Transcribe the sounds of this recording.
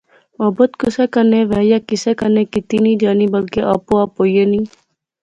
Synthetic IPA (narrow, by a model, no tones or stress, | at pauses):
aːbət̪kʊseːkənẽːʋɛːjaːkɪsekənẽːkɪt̪iːnĩːd͡ʒaːniːbəlkeʔaːpoaːpoːjenĩː